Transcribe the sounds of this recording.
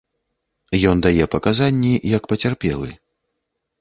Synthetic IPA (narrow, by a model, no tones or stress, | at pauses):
jɔnd̪ajɛpɐkazanʲːijɐkpɐt͡sʲarpʲɛ̰lˠɨ̰